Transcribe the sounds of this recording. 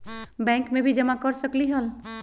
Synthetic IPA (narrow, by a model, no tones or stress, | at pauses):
bɛ̃ŋkmebʱid͡ʒəmakɔɾsəkliɦəl